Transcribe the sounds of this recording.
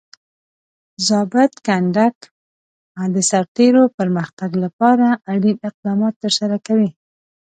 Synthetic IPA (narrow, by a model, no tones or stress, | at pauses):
zɑbɪt̪kaɳɖak | d̪əsaɾt̪eɾopəɾməxt̪aɡlapɑɾaːɽimɪq̚d̪ɑmɑt̪ːəɾsaɾakawi